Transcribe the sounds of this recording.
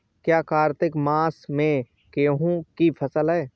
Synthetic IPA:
kjaːkaːɾt̪ɪkmaːsmẽ | keɦũkipʰəsəlɦɛː

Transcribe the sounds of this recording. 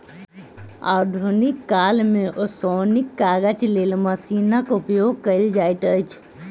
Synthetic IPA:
a̰d̪ʱunikːalmeʔosonikːaɡət͡ʃlelməsinəkupjoɡ̚kəɪld͡ʒajt̪əjt͡ʃʰ

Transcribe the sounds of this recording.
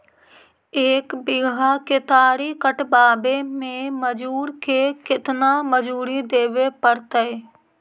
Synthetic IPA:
eːkbɪɡʱakɪt̪aːɾikəʈbaːbemẽməd͡ʒuːɾkekɪt̪naməd͡ʒuːɾid̪eːʋepəɾt̪əe

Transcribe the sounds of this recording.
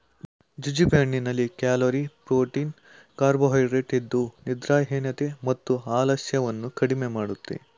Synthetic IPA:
d͡ʒud͡ʒibʱeɳːinɐlːikaːloɾipɾoːʈiːn | kaːɾboɦɐjɾeʈid̪ːunid̪ɾaːɦeːnɐt̪emɐt̪ːuaːlɐʃjɐʋɐnːukɐɽimemaːɽut̪ːḛ

